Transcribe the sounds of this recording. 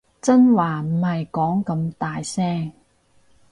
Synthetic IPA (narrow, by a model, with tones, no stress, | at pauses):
t͡sɐ˥nwaː˨m̩˨˩hɐ˨jkɔː˨˥ŋkɐ˨˧mt̪aː˨jsɛː˥ŋ